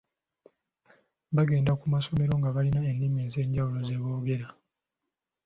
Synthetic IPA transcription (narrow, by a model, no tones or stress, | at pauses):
βaɡe̞ːndakumaso̞me̞ɾo̞ŋɡaβalinaenːimeːze̞ːɲɟawulo̞ze̞βoːɡe̞ɾa